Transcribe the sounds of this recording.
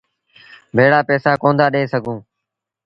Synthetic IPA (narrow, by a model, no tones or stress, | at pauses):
bʱeːɽaːpɛːsaːkõːnd̪aːɗeːsəɡʱũː